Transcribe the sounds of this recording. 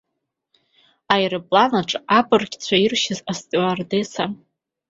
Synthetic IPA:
ajrɨpʼlanaʈ͡ʂʼapʼɨrɡʲʼt͡ɕʷʰairʃɪzastʼardesa

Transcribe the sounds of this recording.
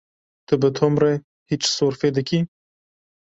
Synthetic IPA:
t̪ɨbɨt̪ʰomre | hit͡ʃsoːɾfeːd̪ɨkʰi

